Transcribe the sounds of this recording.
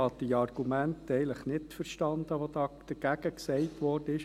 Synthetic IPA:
ɑd̪iɑrɡ̥umæntɛɪləχnɪtfəɾʃtɑnd̪əʋod̪ɑːd̥əɡ̥æɡ̥əksɛɪtʋɔrdəɪʃ

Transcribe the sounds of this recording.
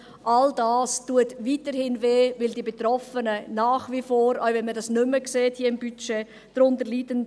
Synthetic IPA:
ʔaldaːstuətviːtəɾhɪnveːvɪldiːbetɾɔfənənaːχvifoːɾaʊvɛnmədɑsnʏməkseːthiəɪmbyt͡ʃe | d̥ɾʊntəɾliːdən

